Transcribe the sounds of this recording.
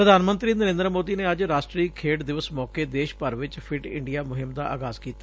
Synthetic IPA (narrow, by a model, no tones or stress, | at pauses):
pɾəd̪ʱaːnmənt̪ɾiːnəɾẽːnd̪ɾmoːd̪iːneːəd͡ʒɾaːʃʈɾiːkʰeːʈd̪ɪʋəsmɔːkeːd̪eːʃpəɾʋɪt͡ʃpʰɪʈɪ̰ɳɖijaːmʊɦɪmd̪aːʔa̰ːɡaːzkiːt̪ḁː